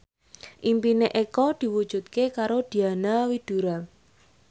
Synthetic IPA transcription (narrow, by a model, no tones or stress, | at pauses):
ʔimpineʔekɔd̪̥i̤wud̥ʒ̥ṳt̪̚kekaɾod̪̥i̤anawid̪̥ṳɾal